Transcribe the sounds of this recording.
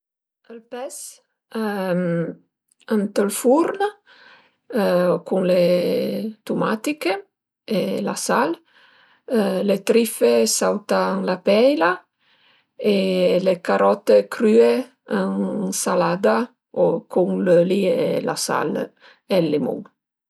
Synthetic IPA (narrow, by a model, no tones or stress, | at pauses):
əlpɛs | m | ant̪əlfuɾn | kuŋle | t̪umat̪ike | ela̰sal | let̪ɾifesawt̪aːŋlapɛjla | elekaɾɔt̪ekɾye | aŋsalad̪a | okʰuŋləliela̰sa̰l | elːemṵŋ